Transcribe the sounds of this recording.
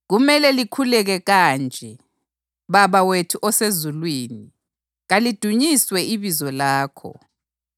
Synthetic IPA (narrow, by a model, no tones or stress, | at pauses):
ɣumɛlɛlikʰulɛɣɛɣand͡ʒʱɛ | βaβawetʰuʔɔsezulwiːni | ɣalid̥ʱuɲiswɛiβizɔlaːkʰɔ̰